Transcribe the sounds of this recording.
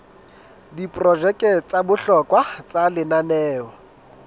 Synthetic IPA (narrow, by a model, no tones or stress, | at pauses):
dipʼrɔd͡ʒɛkʼɛt͡sʼabʊɬɔkʼwat͡sʼalɪnanɛːɔ